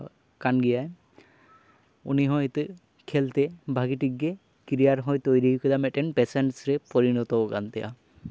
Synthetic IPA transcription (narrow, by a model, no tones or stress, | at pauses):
kanɡijaj | ṵniɦɔjt̪ | kʰɛlt̪ebʱaɡiʈiɡːe | kiɾijaɾɦɔjt̪ojɾikɔd̪amɛʈɛnpɛsɛɳʈsɾepɔɾinɔt̪ɔkant̪ɛja̰